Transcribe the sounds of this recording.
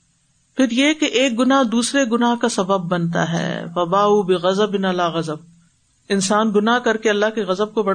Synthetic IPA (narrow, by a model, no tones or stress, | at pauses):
pʰɪɾjekeʔeːk̚ɡʊnaɦd̪uːsɾeɡʊnaɦkasɐbəbːɐnt̪a̰ɦɛ̰ːfɐbaːuːbɪɣɐzəbɪnɐlaːɣɐzəb̚ | ɪnsaːnɡʊnaɦkɐɾkeɐlːaɦkeɣɐzəb̚kobɐ